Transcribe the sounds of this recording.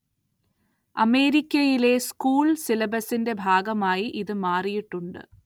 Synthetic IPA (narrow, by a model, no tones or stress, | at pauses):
ɐme̞ːɾikʲːɐjile̞skuːɭsilɐbɐsinde̞bʱaːɡɐmaːjiʔiðɨmaːrijiʈːuɳɖɨ̰